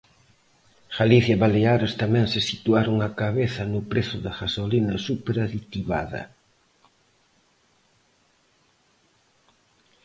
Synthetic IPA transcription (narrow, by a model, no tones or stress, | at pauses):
xaliθjaβaleaɾest̪amɛ̃ŋsɪsit̪uaɾoŋakaβeθɐnʊpɾeθʊðaɣasolinɐsupeɾaðit̪iβa̰ðɐ̰